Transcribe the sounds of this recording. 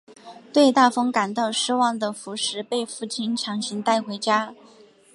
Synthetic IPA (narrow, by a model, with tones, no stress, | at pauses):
t̪we˥˧ɪt̪a˥˩fɤ˥ŋka˨˩nt̪ɑ˥˩ʊʂɻ̩˥wɑ˥˩ŋd̪ə˩fu˧˥ʂɻ̩˧˥pe˥˧ɪfu˥˩t͡ɕʰi˥nʈ͡ʂʰɑ˧˥ŋɕi˧˥ŋt̪a˥˩ɪxwe˧˥ɪt͡ɕja˥